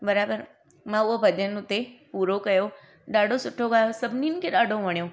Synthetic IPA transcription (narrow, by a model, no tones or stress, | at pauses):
bəɾabəɾ | mãuobʱəd͡ʒənːũt̪epuɾokəjo | ɖaɽosʊʈʰoɡajosəbninkeɗaɽõʋəɳ̃jo